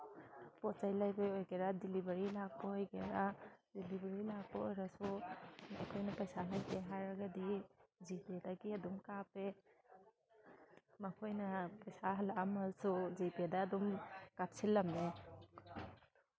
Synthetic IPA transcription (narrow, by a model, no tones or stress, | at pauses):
pɔt͡ʃajlajbeɔjkeɾadilibaɾilaɡ̚bɔojkeɾadilibaɾilaɡ̚paɔjɾasumakʰɔjnapajsalajpeɦaɾaɡadid͡ʒipedaɡiadumkape | makʰɔjnapajsaɦlamasud͡ʒipedaːdumkap̚sʰilːamne